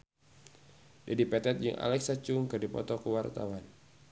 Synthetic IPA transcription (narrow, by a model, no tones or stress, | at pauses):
dadipɛt̪ɛt̪̚d͡ʒɨŋʔa̰lɛksat͡ʃʊŋkɨrdipɔ̰t̪ɔkəwart̪a̰wan